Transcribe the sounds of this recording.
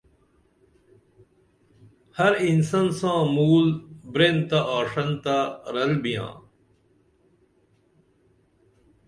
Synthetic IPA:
hɐɾinsɐnsãːmuːlbɾeːnt̪aʔaːʂɐnt̪aɾɐlbijã̰ː

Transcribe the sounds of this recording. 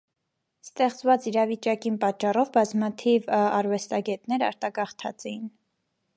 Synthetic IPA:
st̪ɛχt͡svɑt͡siɾɑvit͡ʃɑkinpɑt͡ʃːɑrɔvbɑzmɑt̪ʰivɑɾvɛst̪ɑɡɛt̪nɛɾɑ̰ɾt̪ɑɡɑχt̪ʰɑ̰t͡sɛjin

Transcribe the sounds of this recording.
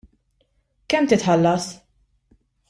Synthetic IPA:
kɛmːt̪ɪt̪ħɐlːɐs

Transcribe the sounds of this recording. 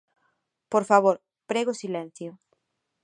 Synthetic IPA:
poɾfaβ̞oɾ | pɾeɣosilẽn̟θjo

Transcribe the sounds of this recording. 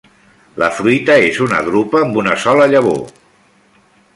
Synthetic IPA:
lə̰fɾuit̪əezunə̰ɣɾupəːmbunəsɔləʎəβ̞o̰

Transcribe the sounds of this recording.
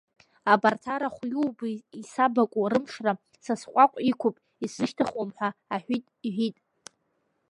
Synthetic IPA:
abartʰaɾaχʷjuwbisabakʷʼurɨmʂra | sasqʷʼakʷʼikʷʰʊpʼ | isɨʃtʰaχamħʷaːħʷᶣitʼiʕʷitʼ

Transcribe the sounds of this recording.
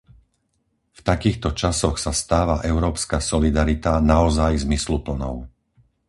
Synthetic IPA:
ft̪akiːxt̪ɔt͡ʃasɔxsast̪aːʋaʔɛʊɾɔːpskasɔlid̪aɾit̪anaɔzajzmislupl̩nɔ̰ʊ

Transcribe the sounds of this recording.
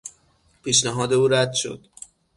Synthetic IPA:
pʰiːʃnæɦɒːd̪e̞uːɾæd̪ʃo̞̰d̪̥

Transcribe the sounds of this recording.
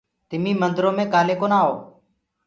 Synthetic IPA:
t̪ɪmĩːmənd̪ɾõːmẽːkaːleːkoːnaːɦo̰ː

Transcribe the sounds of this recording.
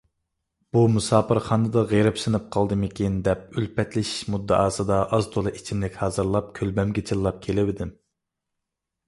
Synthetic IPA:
b̥umusɑːpɨɾχɑːnɨd̪ɑʁeɾɪpsɨnɨp̚qʰɑlˠd̪ɨmɪkʲʰind̪ɛpylpɛt̪lɪʃmud̪ːɑ̰ʔɑːsɨd̪ɑʔɑzt̪ʰolˠɨʔit͡ʃʰimlɪkʲhɑːzɨɾlˠɑp̚kʲʰølbɛmɡʲɛt͡ʃʰilˠlˠɑp̚kʲʰelɪvɪd̪ɪm

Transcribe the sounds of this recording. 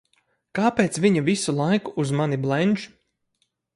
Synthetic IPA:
kaːpeːt̪sviɲavisulˠajkuʔːzmaniblˠɛnʲʒ

